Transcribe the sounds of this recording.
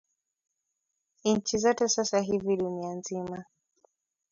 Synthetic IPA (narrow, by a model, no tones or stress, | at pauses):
nɲ̩t͡ʃizɔtɛsasaɦiviɗunianzima